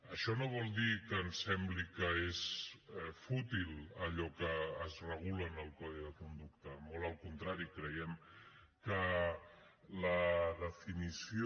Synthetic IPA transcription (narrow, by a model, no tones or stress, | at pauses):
əʃɔnoβ̞ɔlˠd̪ikənsɛmblikəes | fut̪iləʎɔkəːzrəɣulənəlˠkɔðiðəkund̪ukt̪əmolˠəlˠkunt̪ɾaɾikɾəjɛm | kə | ləðəfinisi